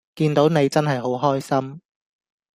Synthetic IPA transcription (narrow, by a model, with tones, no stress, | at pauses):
kiː˧nt̪o˨˥wne˨˧jt͡sɐ˥nɦɐ˨jɦo˨˥wɦɔː˥jsɐ˥m